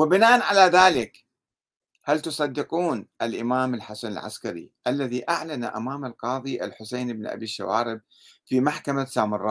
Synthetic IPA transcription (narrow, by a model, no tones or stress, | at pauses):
wɪbɪnaːʔanʕalaðaːlɪk | halt̪ʊsˤɑd̪ːɪquːnʔalʔɪmaːmɪlħasanɪ̰lʕa̰skaɾḭʔalːaðiʔaʕlana̰ʔamaːmalqɑːðˤiʔa̰lħʊsejnɪbnʔa̰biʃːa̰waːɾɪb̚ | fiːmaħkamasaːmɑrˤːɑː